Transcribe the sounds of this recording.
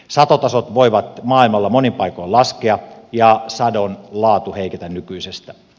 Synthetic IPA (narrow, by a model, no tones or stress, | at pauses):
sɑt̪ot̪ɑsot̪ʋoiʋɑt̪mɑːilmɑlːɑmonimpɑikoilɑskeɑjɑsɑdonlɑːt̪uheiket̪ænnykyisest̪æ